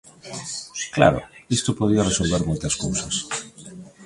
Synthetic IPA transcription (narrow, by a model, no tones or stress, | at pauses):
kla̰ɾʊ̰ist̪opoð̞iɐresolβeɾmojt̪ɐskowsɐs